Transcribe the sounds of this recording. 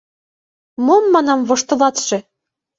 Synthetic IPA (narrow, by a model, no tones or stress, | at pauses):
momːɑnɑmβŏʃt̪ɤ̆lɑt̪ʃĕ